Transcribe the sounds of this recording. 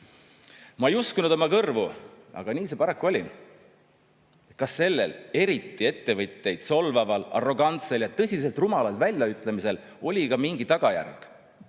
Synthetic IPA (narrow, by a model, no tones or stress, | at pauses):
mɑejuskunud̪̥omɑkɤrvu | ɑ̰ɡ̥ɑniːse̞pɑɾɑkːˑuolʲi | kɑsːe̞lːḛle̞ɾit̪ːˑie̞t̪ːe̞vɤt̪ʲːe̞jd̪̥so̞lvɑvɑlɑ̰ro̞ɡ̥ɑnt̪se̞ljɑt̪ɤ̞sʲis̬e̞lt̪rumɑlɑlt̪vælʲjɑyt̪ˑle̞mise̞l | o̞lʲikɑmiŋɡ̥it̪ɑɡ̥ɑjæ̰rɡ̥